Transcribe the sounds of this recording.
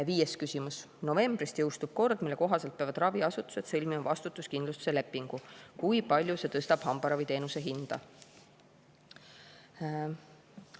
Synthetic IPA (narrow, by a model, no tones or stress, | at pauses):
viːjeskysʲimus | no̞ve̞mb̥rist̪jɤwst̪ub̥̚ko̞rd̪̥milːe̞ko̞ɦɑselt̪̚pevɑd̪rɑviɑsut̪ːˑu̥se̞t̪sɤ̞lʲmimɑvɑst̪ut̪ːˑuskind̪lust̪u̥se̞lepːˑiŋɡ̥ukujpɑlʲjuse̞t̪ɤ̞st̪ɑb̥hɑmb̥ɑɾɑvijt̪e̞ːnuse̞ɦind̪̥ɑ̰